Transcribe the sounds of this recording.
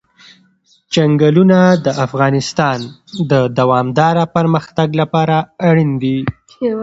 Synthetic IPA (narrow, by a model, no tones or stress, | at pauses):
t͡ʃaŋɡalunad̪əafɣɑnɪst̪ɑnd̪əd̪awɑmd̪ɑɾapəɾməxt̪aɡlapɑɾaːɽind̪i